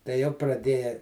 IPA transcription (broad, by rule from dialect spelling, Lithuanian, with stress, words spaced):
tɐɪ jɛʊ prɐˈdʲeːjɛ